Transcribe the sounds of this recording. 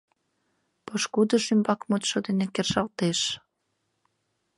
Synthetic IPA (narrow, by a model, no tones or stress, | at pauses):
pɤʃkud̪ə̆ʃymbɑkmut̪ʃod̪enekerʒɑlt̪eʃ